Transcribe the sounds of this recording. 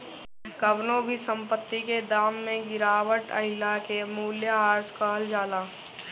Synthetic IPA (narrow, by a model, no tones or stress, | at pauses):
kəbnõbʱisə̃mpət̪ːiked̪aːmːẽɡɪɾaːwəʈə̰ɦɪlakemuːljaɦaːɾskaɦəld͡ʒaːlaː